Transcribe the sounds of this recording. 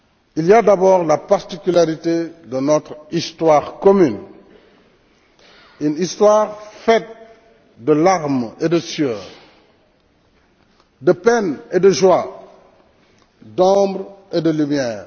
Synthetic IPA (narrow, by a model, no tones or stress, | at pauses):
iliadabɔːʁlapaʁt̪ikylaʁitedənɔt̪χist̪waːʁkɔmyn | ynistwaːʁfɛt̚ | dəlaʁmedəsjœːʁ | dəpɛnedəʒwa | dɔ̃bʁedəlymjɛːʁ